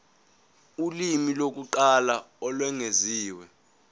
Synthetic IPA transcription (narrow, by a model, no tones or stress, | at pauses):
ulimilok̬uǃala | ɔlwɛŋeziːwɛ